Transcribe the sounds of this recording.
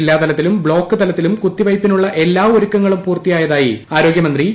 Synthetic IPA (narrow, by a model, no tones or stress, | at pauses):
lːaːt̪ɐlɐt̪ːilumbɭo̞ːkːɨt̪ɐlɐt̪ːilumkut̪ːiʋɐjpːinuɭːɐʔe̞lːaːoɾukːɐŋːɐɭumpuːrt̪ːijaːjɐðaːjiaːɾo̞ːɡjɐmɐnd̪ri